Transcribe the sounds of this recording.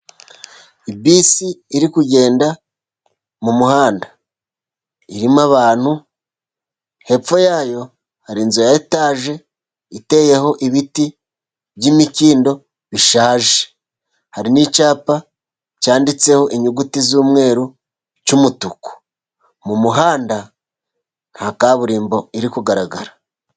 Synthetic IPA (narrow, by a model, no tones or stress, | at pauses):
ibiːsiːɾikuɟe̞ːnda | mumuhaːnda | iɾimaβaːn̥hu | he̞p͡fo̞jaːjo̞ | haɾinzujaetaːʒe̞ | ite̞ːje̞ho̞ʔiβiti | βɟimiciːndo̞ | βiʃaːʒe | haɾinit͡ʃaːpa | caːndit͡se̞ho̞ʔiɲuɡutizuːmŋe̞ːɾu | t͡ʃumutuku̥ | mumuɦaːnda | n̥hakaβuɾiːmbo̞iɾikuɡaɾaɡaɾa